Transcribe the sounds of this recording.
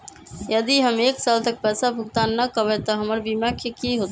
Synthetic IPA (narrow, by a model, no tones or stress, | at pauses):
jəd̪iɦəmeksalt̪ək̚pɛsapuɡt̪annəkəbɛt̪ɔɦəməɾbimakʰjekiɦot̪